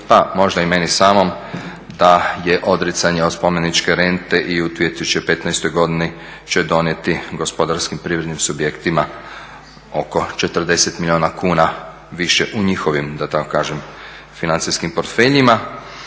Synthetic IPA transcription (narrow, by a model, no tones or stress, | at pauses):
pamo̞ʒd̪aime̞nisaːmo̞m | d̪aje̞ʔo̞d̪ɾit̪saɲeot̪spo̞me̞nit͡ʃke̞ɾe̞nt̪e̞ʔiut̪ʋijet̪isu̥t͡ʃepe̞t̪najst̪o̞jɡo̞d̪ini | t͡ʃe̞d̪o̞nje̞t̪iɡo̞spo̞d̪aɾskimpɾiːʋɾe̞d̪nimsubjekt̪ima | o̞ko̞t͡ʃe̞t̪ərd̪e̞set̪milʲioːnakuːna | ʋiʃeʔuɲixo̞ʋimd̪at̪ako̥kaːʒem | finansiskimpo̞ɾt̪fe̞ʎima